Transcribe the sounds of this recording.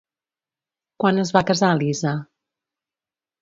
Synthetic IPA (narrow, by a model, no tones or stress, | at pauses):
kwanəzβakəzaliza